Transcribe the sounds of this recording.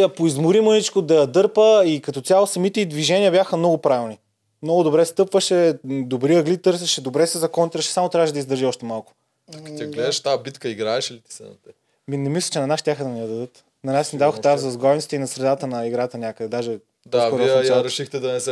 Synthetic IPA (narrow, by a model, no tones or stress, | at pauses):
ɐpoizmʊɾimonit͡ʃkod̪ɐjɐd̪ɤɾpəikɐt̪ɔt̪ʲjalˠosɐmit̪ɛid̪viʒɛnʲiəɐbʲjaxəmnɔɡʊpɾavilˠni | mnɔɡʊd̪obɾɛst̪ɤpvəʃɛd̪obɾiəɡlit̪ɤɾsɛʃɛd̪obɾɛsɛzɐkɔnt̪ɾɐʃɛ̥samot̪ɾʲavəʃɛd̪ɐizd̪əɾʒiɔʃt̪ɛmalˠkʊ̥ | ɐkɐiɡlɛd̪ɛʃt̪abit̪kəiɡɾaɛʃilit̪i̥sɛ̰nɐ̰t̪ɛ | minɛmislˠə̥t͡ʃɛnɐnaʃt̪jaxəd̪ɐnijəd̪ɐd̪ɤt̪ | nɐnaʃnid̪avoxt̪azɐzɡɔjnitsit̪əinɐsɾɛd̪at̪ənɐiɡɾat̪ənʲakəd̪ɛd̪aʒɛ | d̪asvkɔɾvɔiɐjt͡ʃaɾɛʃixt̪ɛd̪ɐnɛsɛ